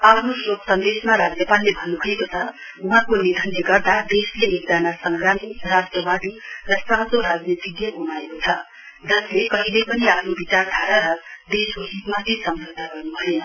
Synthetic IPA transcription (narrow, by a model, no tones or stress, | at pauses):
apʰnosoksʌnd̪esmaɾad͡zjʌpalːebʱʌnːubʱʌekot͡sʰʌ | uɦãkonid̪ʱʌnjʌɡʌrd̪ad̪esleek̚d͡zanasʌŋɡɾanirasʈrʌbad̪irʌsãsoɾad͡zneb̪ʱiɡ̪jʌɦunaekot͡sʰʌ | d͡zʌslekʌɦilejpʌniapʰnobit͡sard̪ʰʱaɾaɾʌd̪eskoɦit̪mat̪ʰisʌmd͡zʱʌd̪ʱaɡʌrnubʱʌen